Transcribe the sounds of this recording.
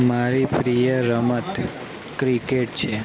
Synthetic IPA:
maɾipɾijəɾəmət̪ | kɾikeʈ̚t͡ʃʰe

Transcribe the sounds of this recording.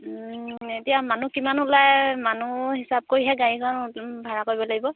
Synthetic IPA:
etijamanukimanulajmanuɦisab̚koɹiɦɛɡaɹikʰɔnbʱaɹakoɹibɔlaɡibɔ

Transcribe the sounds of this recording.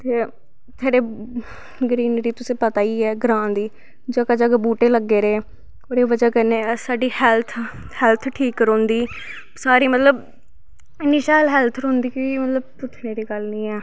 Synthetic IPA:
t̪eː | t̪ʰaːɖeː | ɡɾiːnɾiːt̪ʊsẽːpət̪aːiːɛːɡɾãːd̪iː | d͡ʒãːkaːd͡ʒaːkbuːʈeːləɡːeːɾeː | oːɾeːʋəd͡ʒaːkəneːsaːɖiːhɛlt̪ʰ | hɛːlt̪ʰʈʰiːkɾõːnd̪iː | saːɾiːmət̪ləb | ɪnːiːʃaːlɦɛːlt̪ʰɾõːnd̪iːkiːmət̪ləb̚pʊt͡ʃʰneːɾiːɡəlnĩːɛː

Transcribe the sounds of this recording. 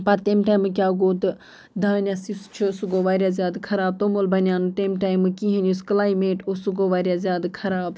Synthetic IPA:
pɐɾt̪eːmʈaːjmɨkʲjaːɡoːt̪ɨ | d̪aːnʲjasist͡ʃʰɨsuɡoːʋaːɾʲjaːzʲjaːd̪kʰɐɾaːb̚t̪omolbʱɐnʲjaːnuʈ̪emʈaːjmɨkiɦẽnʲusklaːimeːʈosuɡoːʋaːɾjaːzjaːd̪kʰɐɾaːb

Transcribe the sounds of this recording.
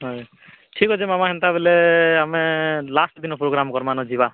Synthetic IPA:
ɦɔj | ʈʰikɦɔt͡ʃʰemamaɦɛnt̪abeleamelasʈd̪inɔpɾoɡɾamkɔɾmanɔd͡ʒiba

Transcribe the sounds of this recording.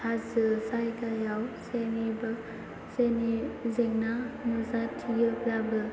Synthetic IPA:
hazɯsajkajawseniba | senizeŋnamɯzatʰijɯblabɯ

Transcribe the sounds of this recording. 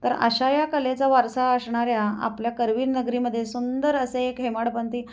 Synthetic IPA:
t̪əɾə̰ɕajakəlet͡saʋaɾsaəsɳaɾjaa̰pljakəɾʋiːnnːəɡɾiməd̪ʱːjesund̪əɾəseːkɦemaɽpənt̪iː

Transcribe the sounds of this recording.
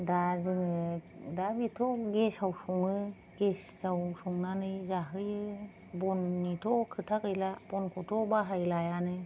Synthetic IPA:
dazɯŋɯdabitʰɔɡesawsɔŋɯ | ɡeszawsɔŋnanɯjzaɦɯjɯ | bɔnːitʰɔkʰɯtʰakɯjlabɔnkʰɔtʰɔbaɦajlajanɯ

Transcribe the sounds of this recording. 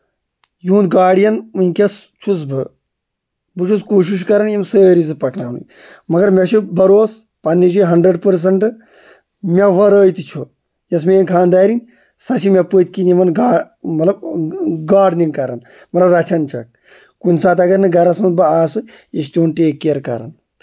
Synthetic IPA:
juːnd̪̚ɡaːɽjɐnɨnʲkʲɐst͡ʃʰus̬bɨ | bɨt͡ʃʰuskoːʃ̬iʃ̬kɐɾɐnimsəːɾis̬ɨpɐknaːnṵ | mɐɡɐɾmʲɐt͡ʃʰibɐɾoːs | pɐnːid͡ʒiɦɐɳɖɾəɖpəɾs̬ɐɳʈɨ | mʲaʋɐɾəːjt̪it͡ʃʰo | jɐs̬menkʰãːnd̪aːɾin | sɐʃimʲɐput̪ʲkinimɐnɡaː | mɐt̪lɐbɡaːɖninkɐɾɐ̰n | mɐt̪lɐbɾɐt͡ʃʰɐnt͡ʃɐ̰k̚ | kunʲsaːt̪ɐɡɐɾnɨɡɐɾɐsɨnbɨaːsɨ | jɐʃ̬t̪ʲoːnʈeːkːeɾkɐ̰ɾɐ̰n

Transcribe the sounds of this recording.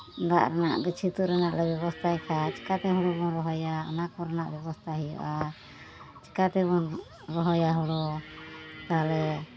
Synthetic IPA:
da̰ʔɾanaʔɡət͡ʃʰit̪uɾɛnaʔlɛbɛβɔst̪ʰakʰat͡ʃi̥kat̪ɛɦɔɽɔbɔnɾɔɦɔjaɔ̰nakɔɾɛnaʔbɛbɔst̪ʰaɦijɔ̰ʔa | t͡ʃi̥kat̪ɛβɔn | ɾɔɦɔjaɦɔɽɔ | t̪aɦlɛ

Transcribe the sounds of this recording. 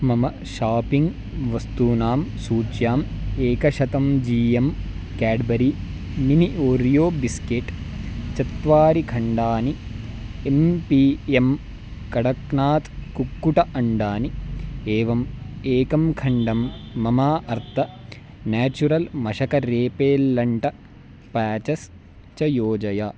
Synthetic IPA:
mɐmɐ | ʃaːpiŋɡ | ʋɐst̪unaːmsuːt͡ʃjaːmeːkɐʃɐt̪ɐmd͡ʒiːjɐm | kaːɖbɐɾi | miniʔoːɾjoːbiskeʈt͡ʃɐt̪ʋaːɾikʰɐɳɖaːni | empiem | kɐɽɐknaːt̪kukːuʈɐʔɐɳɖaːnieːʋɐmeːkɐmkʰɐɳɖɐmːɐmaːʔɐɾt̪ʰɐ | naːt͡ʃuɾɐlmɐʃɐkɐɾeːpeːlːɐɳʈɐ | paːt͡ʃɐs | t͡ʃɐjoːd͡ʒɐja

